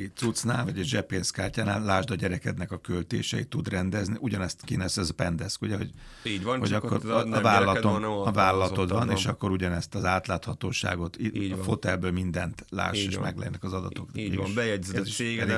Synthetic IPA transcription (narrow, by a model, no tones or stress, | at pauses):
it̪sut̪sna̰ːlvɒɟɛʒɛpeːskaːrcaːnaːllaːʒd̪ɒɟɛɾɛkɛd̪nɛkɒkølt̪ḛːʃɛ̰it̪ud̪rɛnd̪ɛzniʔuɟɒnɛst̪kinɛsɛzpɛnd̪ɛskuɟɛɦoɟ | iɟhoɟɒkkːoɾvaːlɒlɒt̪omɒvaːlɒlɒt̪o̞t̪vɒneːʃɒkːo̞ɾuɟɒnɛst̪ɒzaːt̪laːt̪hɒt̪oːʃa̰ːɡo̞t̪ifo̞t̪ɛlbøːlmind̪ɛnt̪la̰ːʃeːʃmɛɡlɛ̰nɛkɒzɒd̪ɒt̪o̞kːɛjɛiʃ